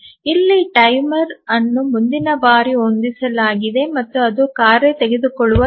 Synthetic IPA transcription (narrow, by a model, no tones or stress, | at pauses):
ilːiʈɐjmɐɾɐnːumund̪inɐbaːɾiond̪isɐlaːɡid̪e̞mɐt̪ːuɐd̪ukaːɾet̪eɡed̪ukɔɭːuʋɐ